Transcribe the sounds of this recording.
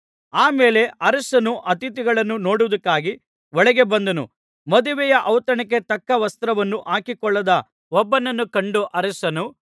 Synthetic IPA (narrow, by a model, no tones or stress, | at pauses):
aːmeːle̞ʔɐɾɐsɐnuʔɐt̪it̪iɡɐɭɐnːuno̞ːɽuʋɐd̪ɐkːaːɡi | ʋɔɭɛɡe̞bɐnd̪ɐnṵ | mɐd̪uʋɛjɐʔɐwt̪ɐɳɐk̬e̞t̪ɐkːɐʋɐst̪ɾɐʋɐnːuʔaːkikɔɭːɐd̪ɐ | ɔbːɐnɐnːukɐɳɖuʔɐɾɐsɐnu